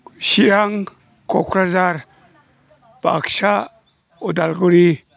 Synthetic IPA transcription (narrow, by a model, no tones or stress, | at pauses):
siɾaŋ | kɔkʰɾazaɾ | b̥a̰ksa | ɔdalɡuɾi